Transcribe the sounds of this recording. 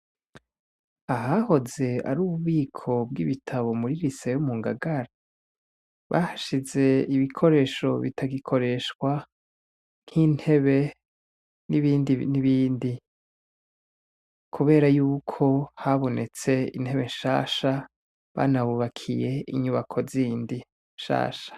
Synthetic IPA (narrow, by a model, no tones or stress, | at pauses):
aɦaho̞ze̞a̰ɾuːβuβiːkʰo̞b̚ɡḭβitʰaβo̞muɾiɾisejomuːŋɡa̰ɡaɾa | βa̰haʃize̞iβikʰo̞ɾe̞ːʃo̞βḭtʰaɡikʰo̞ɾe̞ʃkwa | n̥hin̥he̞βe | niβiːndiniβiːndi | kʰuβe̞ːɾajuːkʰo̞haβo̞nʔe̞t͡se̞ḭn̥he̞βe̞nʃa̰ːʃa | βa̰naβuβakʰije̞ḭɲuβakʰo̞ziːndi | nʃa̰ːʃḁ